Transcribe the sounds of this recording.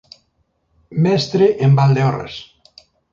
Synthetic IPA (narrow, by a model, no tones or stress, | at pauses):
mɛst̪ɾeʔembald̪eɔrḛs